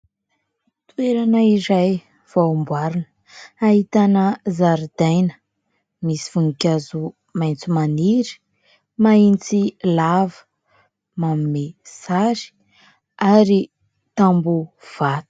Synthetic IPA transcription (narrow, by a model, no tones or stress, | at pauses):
t̪ueɾanəiɾaj | v̥aumbwaɾunə̥ | aɦit̪anəzaɾd̪ajnə̥ | misi̥vuŋikʲazu | majnt͡sumaniɾi̥ | maint͡silavə̥ | mamimesaɾi̥ | aɾi | t̪ambu | v̥at̪u̥